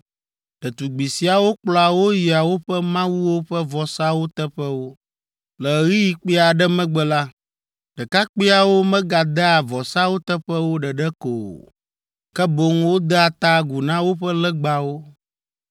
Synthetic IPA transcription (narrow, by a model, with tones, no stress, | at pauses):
ɖ̥ɛ˨t̪u˨ɡ͡bi˨si˨a˨wo˦k͡plɔ˨a˨wo˦ji˨a˨wo˦ɸɛ˦mã˦wu˦wo˦ɸɛ˦vɔ˨sa˦wo˦t̪ɛ˦ɸɛ˦wo˦ | lɛ˨ɣi˦ji˨k͡pi˦a˨ɖɛ˦mɛ̃˦ɡ͡bɛ˨la˦ | ɖ̥ɛ˨ka˦k͡pi˦a˨wo˦mɛ̃˦ɡa˨d̪ɛ˦a˨vɔ˨sa˦wo˦t̪ɛ˦ɸɛ˦wo˦ɖɛ˨ɖɛ˦ko̰˨ | kɛ˦bo˨ŋwo˦d̪ɛ˦a˨t̪a˦ɡu˨nã˦wo˦ɸɛ˦lɛ˦ɡ͡ba˨wo˦